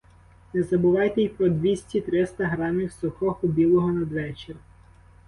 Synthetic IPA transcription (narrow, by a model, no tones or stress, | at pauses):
nɛzɐbʊʋɑjt̪ɛipɾɔd̪ʋʲisʲtʲit̪ɾɪst̪ɐɦɾɑmʲiwsʊxɔxʊbʲilˠɔɦɔnɐd̪ʋɛt͡ʃerʲ